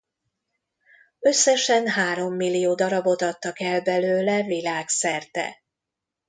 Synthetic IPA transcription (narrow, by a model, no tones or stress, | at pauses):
ø̞sːɛʃɛnɦaːɾo̞mːilːijoːd̪ɒɾɒbo̞t̪ɒt̪ːɒkɛlbɛløːlɛvilaːksɛrt̪ɛ̰